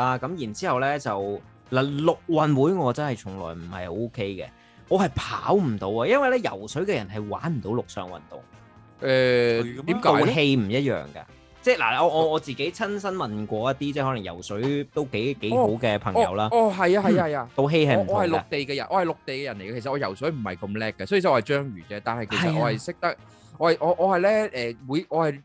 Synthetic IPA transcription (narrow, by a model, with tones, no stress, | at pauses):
aː˥kɐ˨˥mjiː˨˩nt͡siː˥hɐ˨wlɛː˥t͡sɐ˨w | laː˨˩lʊ˨k̚wɐ˨nwuː˨˥jŋɔː˨˧t͡sɐ˥nhɐ˨˩jt͡sʰʊ˨˩ŋlɔ̰ː˨˩jm̩˨˩hɐ̰˨jho˧˥o˥kʰe˥jkɛ̰˧ | ŋɔː˨˧ɦɐ˨˩jpʰa̰ː˨˥wm̩˨˩t̪o˨˧wɐː˧jɐ˥nwɐ˨jlɛ˥jɐ̰˨˩wsɵ˨˥ɥkɛː˧jɐ˨˩nɦɐ˨jwa̰ː˨˥nm̩˨˩t̪o˨˥wlʊ˨k̚sœː˨˧ŋwɐ̰˨nt̪ʊ̰˨ŋ | ʔɛː˨t̪iː˨˥mkao˨wɦe˧jm̩˨˩jɐ˥t̚jœ̰ː˨ŋka̰ː˧ | t͡sɛː˥˩la̰ː˨˩ɔː˨˧ɔː˨˧ɔː˨˧t͡siː˨ke˨˥jt͡sʰɐ˥nsɐ˥nmɐ˨nkʷɔː˧jɐ˥t̪̚iː˥t͡sɛː˥hɔ˨˥lɐ˨˩jɐ̰˨˩wsɵ˨˥ɥt̪o˥wke˨˥jke˨˥jːho˨˥wkɛː˧pʰɐ˨˩ŋɔ˧ɐ̰˨˦wlaː˦ɔː˧ɦɐ˨jaː˧ɦɐ˨jaːhɐ˨jaː˧t̪o˧wɦe˧jhɐ˨jm˩tɔː˧hɐ˨jlʊ˥˨k̚t̪e˨jkɛː˧jɐ˨˩nʔɔː˧hɐ˨jlʊ˨k̚t̪e˨jkɛ˧jɐ˨˩nle˨˩ja˧kʰe˨˩sɐ˨ɔː˨˧jɐ˨˩wsɵ˨˥ɥm̩˨˩hɐ˨jkɐ˧mlɛː˥kːɐsɔː˨˥yː˨˩ɐ˨˧hɐ˨˩jt͡ʃœː˥ŋɥyː˨˩kɛ˧t̪aː˨˩nhɐ˨jkʰe˨˩˨st̚ʔɔː˨˧hɐ˨jsɪ˥k̚t̪ɐ˥k̚ | ɔː˧hɐ˨jʔɔː˨˧ʔɔː˨˧hɐ˨jlɛː˥ʔɛː˨wu˨˧jʔɔː˧hɐ˨j